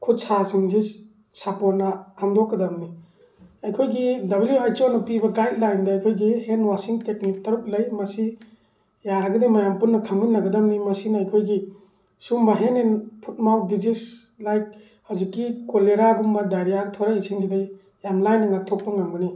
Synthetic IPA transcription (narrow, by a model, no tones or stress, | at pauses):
kʰut̚sasiŋd͡ʒis | sapoɾ̚nɐhamd̪ɔkːɐd̪amni | ɐjkʰojɡidɐbljuajt͡ʃonɐpibɐɡajt̚lajndɐːjkʰojɡihenwasiŋteknik̚tɐɾuk̚lɐjmɐsi | jaɾɐɡɐdejmajampunːɐkʰaminːɐɡɐdamnimɐsinɐjkʰojɡi | sumbɐɦenenpʰut̚mawdid͡ʒis | lajk̚ | hawzikːikoleɾabumbɐdaɾijaɡtʰɔɾaisiŋd͡ʒidaj | jamlajnːɐŋatʰɔk̚pɐŋaŋbɐni